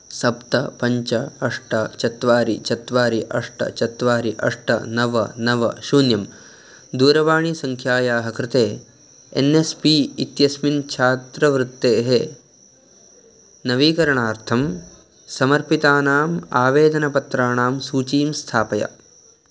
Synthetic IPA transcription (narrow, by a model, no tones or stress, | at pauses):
sɐpt̪ɐpɐɲt͡ʃɐɐʂʈɐt͡ʃɐt̪ʋaːɾit͡ʃɐt̪ʋaːɾiʔɐʂʈɐ̰t͡ʃɐt̪ʋaːɾiʔɐ̰ʂʈɐ̰nɐʋɐ̰nɐʋɐ̰ʃuːnjɐm | d̪uːɾɐʋaːɳisɐŋkʰjaːjaːɦɐkɾɪt̪eː | ḛnespiit̪jɐsmint͡ʃʰaːt̪ɾɐʋɾut̪ːeːɦe | nɐʋiːkɐɾɐɳaːɾt̪ʰɐm | sɐmɐɾpit̪aːnaːmaːʋeːd̪ɐnɐpɐt̪ɾaːɳaːmsuːt͡ʃiːmst̪ʰaːpɐjɐ̰